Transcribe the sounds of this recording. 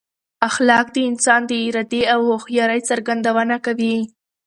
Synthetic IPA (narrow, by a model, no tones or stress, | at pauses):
axlɑk̚d̪əɪnsɑnd̪əɾad̪eawhoxjɑɾəjt͡saɾɡand̪awənakawi